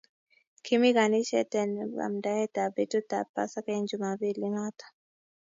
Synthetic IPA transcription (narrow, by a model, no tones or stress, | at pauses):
kʰimiɣaniʃɛtɛnba̰mdahɛt̪abitutapa̰sakeɲd͡ʒumaβiliŋat̪ḁ